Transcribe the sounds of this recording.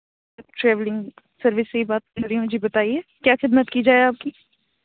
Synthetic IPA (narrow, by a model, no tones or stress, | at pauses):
ʈɾɛːʋlɪ̃ŋɡ | sɐɾʋɪsːeibaːt̪̚kɐɾiiũd͡ʒʱibɐt̪aːiɛːkjaːxɪd̪mət̪kid͡ʒaːeaːp̚ki